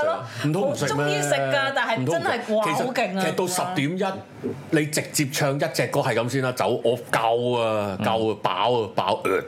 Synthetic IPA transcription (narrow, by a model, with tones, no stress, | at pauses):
m̩˨˩t̪ʰʊ˥ŋm̩˨˩sɪ˨k̚mɛːiː˧sɪ˨kkːaː˧t̪aː˨˩nhɐ˨jm̩˩t̪ʰʊ˥m˨nɐ˨˩jkʰe˨˩swkɪ˨ŋe˨˩sɐ˨t̪o˧wsɐ˨˧p̚t̪iː˨˥mjɐ˥t̚ | le˨˧jt͡sɪ˨k̚t͡siː˧p̚t͡ʃʰœː˧ŋjɐ˥t̚t͡sɛː˨˧kɔː˥hɐ˨jkɐ˨˥msiː˥naː˧t͡sɐ̰˨˥wʔɔː˨˧˥kɐ˧wɐ˧kɐ˧wɐ˧pa̰ː˨˥wɐ˧pa̰ː˨˥wʔœː˨˩t̚